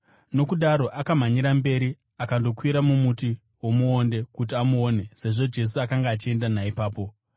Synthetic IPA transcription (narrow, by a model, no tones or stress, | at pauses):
no̞kuɗaɾo̞ʔakam̤aɲiɾambe̞ɾi | akando̞kwiɾamumuti | wo̞muonde̞kut̬iamuoːne̞se̞ʐo̞d͡ʒe̞s̬uakaŋɡaːt͡ʃie̞ndanaipaːpo̞